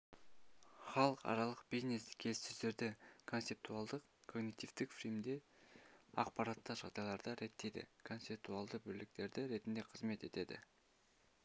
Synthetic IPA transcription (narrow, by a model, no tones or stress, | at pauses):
χɑlˠəqɑ̰ɾɑlˠəq̚bizneskʲʰe̞lst̪ʏzd̪e̞ɾd̪ɪkʰonsep̚t̪uɑlˠd̪əq | kʰo̞ɡnit̪ivt̪ɪkfrijmd̪e̞ | ɑ̰qpɑɾɑt̪ːɑʒɑʁd̪ɑjlˠɑɾd̪ɑɾe̞t̪ːe̞jd̪ɪ̰kʰo̞nt̪sep̚t̪uɑlˠd̪əbɵlɪk̚t̪e̞ɾd̪ɪɾe̞t̪ɪnd̪e̞qʰəzme̞t̪e̞t̪e̞d̪ɪ̰